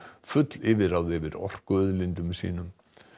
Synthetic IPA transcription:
fʏt̪lɪvɪɾawðɪvɪɾɔ̰r̥kœðlɪnt̪ʏmsḭːnʏm

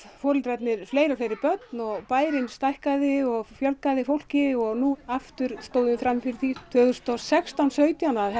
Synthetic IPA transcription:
fɔːɾɪlt̪ɾɛt̪nɪɾ̥fleːjɾafɪɾɪɾpœt̪nɔɣpaːjɾɪnst̪ajhkaðɪɔɣfjœlkaðɪfowl̥cɪɔɣnuaft̪ʏɾ̥st̪oːwðʏnfɾamːɪfɪɾɪɾθit̪ʰœːɣʏ̥st̪ɔsɛkst̪awnsœːɥt̪janað

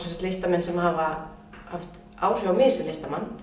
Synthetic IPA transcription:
sɛnsḁkt̪lest̪amɛnsɛmhava | haft̪ | aːwr̥jowamɪːsɪlɪst̪amanː

